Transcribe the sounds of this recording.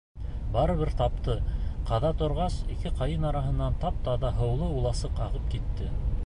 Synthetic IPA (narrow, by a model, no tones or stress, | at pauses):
bɑɾɤ̆βɘɾt̪ɑp̚t̪ɤqɑðɑt̪ŏɾʁɑsikɘqɑjɤnɑɾɑɦɤ̆nːɑnt̪ɑp̚t̪ɑðɑɦɤ̆wlˠɤulˠɑsɤqɑʁɤp̚kit̪ːɘ